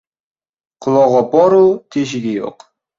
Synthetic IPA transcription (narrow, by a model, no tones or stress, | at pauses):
qʰʊlˠɒʁɑbɒɾut̪ʰeʃ̬ɪɡʲɪjo̰q